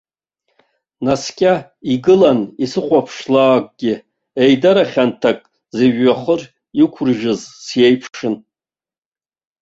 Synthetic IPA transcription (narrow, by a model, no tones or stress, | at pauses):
naskʲʼa | iɡɨlanisɨχʷapʰʂlaːkʷʼɡ̥ʲɪ | ejdaɾaχʲantʰakʼ | zeɥːaχər | ikʷʰʊrʒᶣɨzsje̞jpʰʂɨn